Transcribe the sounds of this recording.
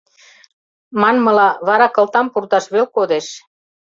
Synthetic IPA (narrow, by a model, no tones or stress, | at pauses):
mɑnmɤ̆lɑβɑɾɑkɤ̆lt̪ɑmpurt̪ɑʃβelkod̪eʃ